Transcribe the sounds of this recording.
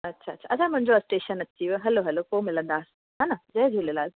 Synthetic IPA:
ɐtːʃʰaːtːɕʰaɐt͡ɕʰamʊ̃ɦɪ̃ɲd͡ʑoɐsʈeːʃənɐt͡ɕːiʋɦɐloɦɐlokoːmɪlə̃nd̪aːs | ɦãnad͡ʑɐd͡ʑʱulelaːz

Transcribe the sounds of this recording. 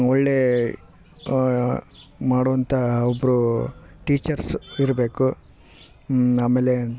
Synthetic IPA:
ɔɭːe | maːɽuːʋɐnt̪ʰɐɔbːɾuʈiːt͡ʃɐɾsiɾɐbe̞ːku | aːmeːle

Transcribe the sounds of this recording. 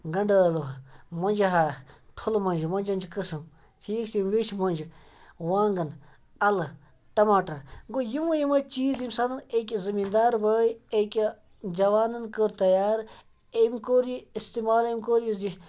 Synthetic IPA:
ɡɐɳɖəːluɦmɐnd͡ʒɦaːʈʰulmɐnd͡ʒmɐnd͡ʒɐnd͡ʒkəsɨm | t̪ʰiːkt̪ʰimʋit͡ʃʰmɐnd͡ʒ | ʋaːŋɡɐn | ɐl | ʈɐmaːʈɐɡojimujimɐt͡ʃiːzimsad̪ɐnekʲizɐmiːnd̪aːɾbəːjekʲi | d͡ʒɐʋaːnɐnkəɾt̪ɐjaːɾ | emkoːɾiist̪imaːlemkoːɾjizi

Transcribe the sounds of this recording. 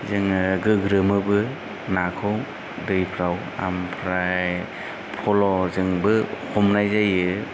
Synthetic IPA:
zɯŋɯɡɯɡɾɯmɯbɯ | nakʰɯw | dɯjpʰɾaw | a̰mpʰɾaj | pʰɔlɔzɯŋbɯhɔmnajzajɯ

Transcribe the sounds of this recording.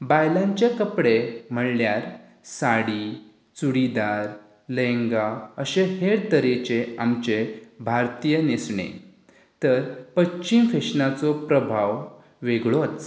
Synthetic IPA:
bajlãɲt͡ɕekəpɽem̤əɽljaɾ | saɽi | t͡suɽid̪aɾ | lẽŋɡaəɕeheɽt̪əɾet͡ɕeamt͡ɕebʱaɾt̪ijənesɳḛ | t̪əɾpətːɕimfeɕnat͡sɔpɾəbʱaʋ | ʋeɡɭot͡s

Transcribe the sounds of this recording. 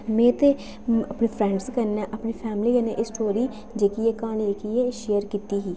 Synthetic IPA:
mɛ̃ːt̪eː | əpneːpʰɾɛ̃ːɳɖskəɾnɛːʔəpniːpʰɛːmliːkaneʔsʈoːɾiː | d͡ʒeːkieːkaːneːkieːʃeːəɾkiːt̪iːɦiː

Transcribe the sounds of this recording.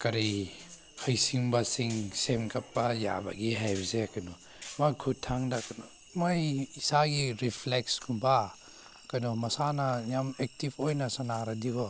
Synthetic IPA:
kɐɾi | hɐjsiŋbasiŋsemkʰɐpːaja̰ba̰ɡiɦajbɐsekɐnɔ | makʰutʰːaŋdakɐnɔ | majisaɡiɾipʰleksɡumba | kanɔmɐsanɐjamek̚tipʰojnɐsɐnaɾadiɡɔ

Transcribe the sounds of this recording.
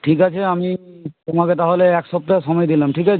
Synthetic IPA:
ʈʰikat͡ʃʰɛamitɔmakɛtaɦolɛɛksɔp̚tasɔmɔjd̪ilamʈʰikat͡ʃʰ

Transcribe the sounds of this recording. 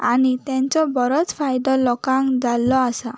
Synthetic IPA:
añit̪ɛ̃ɲt͡ɕɔbɔɾɔt͡spʰajd̪ɔlɔkãŋkd͡zalːɔasa

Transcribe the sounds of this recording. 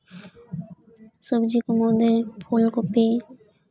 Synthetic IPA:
sobd͡ʑikomod̪eɾpʰolkope

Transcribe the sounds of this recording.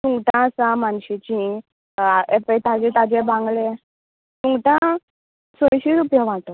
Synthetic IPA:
tũŋɡʈãəsamanɕit͡ɕĩ | ɛpet̪ad͡ʑɛ̃t̪ad͡ʑebãŋɡle | t̪uŋɡʈã | soɽ̃ɕiɾupjaʋãʈɔ

